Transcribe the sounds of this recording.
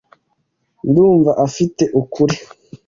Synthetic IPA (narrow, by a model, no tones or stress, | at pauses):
nduːɱvaʔafiteʔukʰuɾi